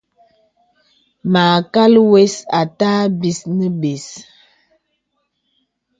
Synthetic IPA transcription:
maː˨ka˦lwe˦sa˨taː˦bi˨snə˦be˨s

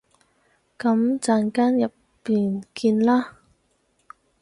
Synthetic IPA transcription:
kɐ˨˥mt͡saː˧nkaː˥njɐ˨pːiː˨nkiː˧nlaː˥

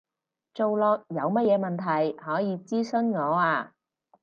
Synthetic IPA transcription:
t͡so˨wlɔː˧k̚jɐ˨˧wmɐ˥t̚jɛː˨˧mɐ˨nt̪ʰɐ˨˩jhɔː˨˥jiː˨˧t͡siː˥sɵ˥nŋɔː˨˧aː˧

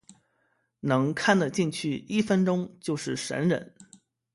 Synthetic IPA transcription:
nɤ˧˥ŋkʰa˥˩nd̪ə˩t͡ɕi˥˧ŋt͡ɕʰy˥˩i˥˩fə˥nʈ͡ʂʊ˥ŋt͡ɕjo˥˧ʊʂɻ̩˥˩ʂə̰˧˥nɻə̰˧˩˥n

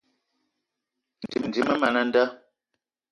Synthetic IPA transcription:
n̩˨di˨mn˨di˨mə˦ma˨na˦n̩˦da˦

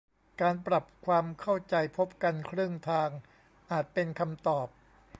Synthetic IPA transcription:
kaː˧npɾa˨˩p̚kʰwaː˧mkʰa˥˩wt͡ɕa˧jpʰo˦˥p̚ka˧nkʰɾɯ˥˩əŋt̪ʰaː˧ŋ | ʔaː˨˩t̪̚pe˧nkʰa˧mt̪ɔː˨˩p̚

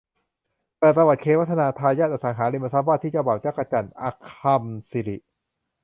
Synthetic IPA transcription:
t̪ɛː˨˩pɾa˧wa˨˩t̪̚kʰeː˧˥wa˥t̪ʰːa˧naː˧t̪ʰaː˧jaː˥˩ʔa˧˩sa˩˦ŋɦaː˩˦ɾi˧mʔa˧˩sa˦˥p̚waː˥˩t̪ʰːiː˥˩t͡ɕa˧˩baː˨˩wt͡ɕaː˦˥˩ka˧t͡ɕa˧˩nʔa̰˧kʰa˧msi˨˦ɾi˨˩ʔ

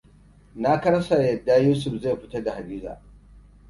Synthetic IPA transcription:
na˦kɐ˦ɐ˦sa˨jɐ˨dːa˦juː˦s̬ʊ˨ɸze˦˨jɸɪ˦tɐ˦rda˨ha˨biː˦za̰ː˨

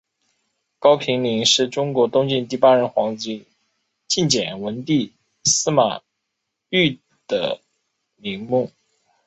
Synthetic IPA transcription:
kɑ˥ʊpʰi˧˥ŋli˧˥ŋʂɻ̩˥˩ʈ͡ʂʊ˥ŋkwɔ˧˥t̪ʊ˥ŋt͡ɕi˥˧nt̪i˥˩pa˥ɻə˧˥nxwɑ˧˥ŋt͡ɕi˧˥ | t͡ɕi˥˩nt͡ɕjɛ˨˩nwə˧˥nt̪i˥˩ | sɹ̩˥ma̰˨˩ | y˥˩ | d̪̥ə̰˩ | li˧˥ŋmu˥˩

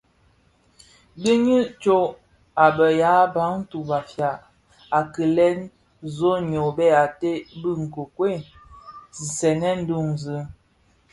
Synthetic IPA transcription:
bi˦ɲi˦t͡ʃo˦ | a˨bə˨ja˨˦ba˨˦ŋ̩˦tu˨va˨fja˨ʔ | a˨kə˨lɛ˦n | zo˦ɲo˨bɛ˦˨a˨te˦bɨ˦ŋ̩˨ko˨kwe˦˨ | zi˨sɛ˨nɛ˦n̩˦du˦˨ŋzə˨˦

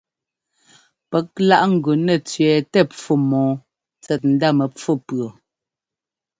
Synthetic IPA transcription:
pɛ˨˦k̚la˦ʔŋ̩˨ɡʉ˨nɛ˦˨t͡sɥɛː˨tɛ˦p͡fu˦˨mɔ̃ː˨˦ | t͡sɛ˨t̚n̩˦da˦mɛ˨p͡fo˦˨pɰo˨

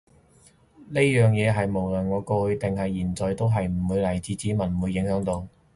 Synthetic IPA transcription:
ne˥jœː˨ŋjɛː˨˧ɦɐ˨jmo˨˩wlɵ˨˩nŋɔː˨˧koː˧hɵ˧ɥt̪ɪ˨ŋɦɐ˨jːiː˨˩nt͡sɔː˨jt̪o˥wɦɐ˨jm̩˨˩wuː˨˧jlɐ˨˩jt͡siː˧t͡siː˨˥mɐ˨˩n˨wuː˨˧jːɪ˨˧˥ŋɦœː˨˧˥ŋt̪o˧w

